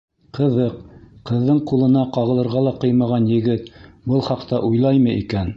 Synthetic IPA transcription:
qɤ̆ðɤqqːɤ̆ðːɤɴqulˠɤ̆nɑqɑʁɤ̆lˠɤ̆ɾʁɑlˠɑqɤjmɑʁɑnjɘ̆ɡɘt̪bɤlˠχɑqt̪ɑʔujlˠɑjmɤʔikæn

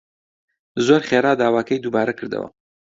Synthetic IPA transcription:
zoɾχeːɾaːd̪aːwaːkʰɐjd̪ubaːɾɐkʰɨɾd̪ɐ̰wɐ̰

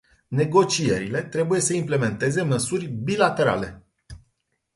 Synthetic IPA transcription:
ne̞ɡo̞t͡ʃie̞ɾile̞t̪ɾe̞buje̞səimple̞me̞nt̪e̞ze̞məsurʲbilat̪e̞ɾa̰le̞

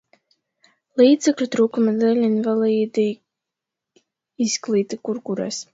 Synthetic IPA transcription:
lˠiːd̪zɛklʲut̪ɾuːkumad̪ɛlʲinvalˠiːd̪i | isklˠiːt̪ɨkuɾkuɾa̰s

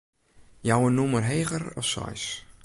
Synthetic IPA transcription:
jawənumərɦeːɣəɾɔ̰fsɔ̰js

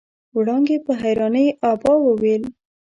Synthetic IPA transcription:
wɽɑŋɡepəɦajɾɑnəjʔɑbɑwəwel

